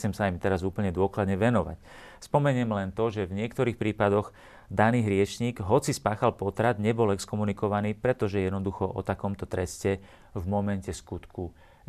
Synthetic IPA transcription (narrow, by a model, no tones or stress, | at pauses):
t͡sɛmsaimt̪ɛɾazuːpl̩ɲɛd̪ʊɔklad̪ɲɛʋɛnɔʋa̰c | spɔmɛɲɪɛmlɛnt̪ɔʒɛvɲɪɛkt̪ɔɾiːxpɾiːpad̪ɔɣ | d̪aniːɦɾɪɛt͡ʃɲiːɡɦɔt͡sispaːxalpɔt̪ɾad̪ɲɛbɔlɛkskɔmunikɔʋaniːpɾɛt̪ɔʒɛjɛd̪nɔd̪uxɔʔɔ̰t̪akɔmt̪ɔt̪ɾɛscɛ | vmɔmɛncɛskut̪ku